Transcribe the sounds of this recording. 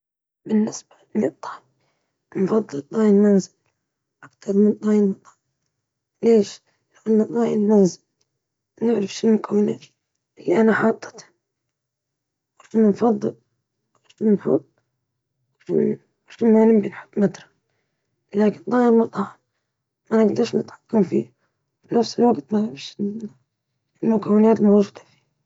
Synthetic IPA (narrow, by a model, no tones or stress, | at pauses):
bɪnːɪsb̥aɪlːit̪ˤːɑː | mfɑðˤːɨlt̪ˤːɑːjɪlmanzɪl | ʔakt̪ɑɾˤmɪnt̪ˤɑːjɪlmɑt̪ˤɑʕ | leːʃ | lawalnat̪ˤɑːjɪlmanzɪl | nɪʕɾɑfʃinːkawna | ʔɪlːiʔanaħɑːt̪ˤːɨ̥t̪ | wɪʃnnfɑðˤːɨl | ɪʃnɪnħʊ̰t̪̚ˤ | ɪʃɪnmalɪmbinħʊ̥t̪ːˤmat̪ɾˤɑ̥ | laːkɪnd̪ˤɑːjɪɾmʊt̪ˤɑʕɑ | manɪɡd̪ɑɾˤʃnɪt̪ħḁkːamfḭːh | fnafsɪlwaɡt̪maɾɪfʃɪ | ʔɪlmʊkawːɪnaːt̪mowd͡ʒuːd̪ḁfi̥